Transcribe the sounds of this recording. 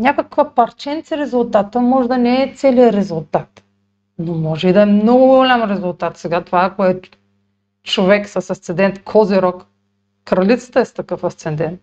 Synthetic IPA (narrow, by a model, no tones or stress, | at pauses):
nʲakakvapɐɾt͡ʃɛnt̪sɛɾɛzulˠt̪at̪əmɔʒd̪ɐnɛːt̪sɛlijəɾɛzulˠt̪at̪ | nomɔʒɛid̪ɐɛmnoɡʊɡʊɡolʲamɾɛzulˠt̪at̪sɛɡat̪ovakoɛ | t͡ʃovɛksɐsɐst̪sɛnd̪ɛnt̪kʰɔziɾɔk | kɾɐlʲit̪sə̥t̪əɛst̪akəfɐst̪sɛnd̪ɛnt̪̚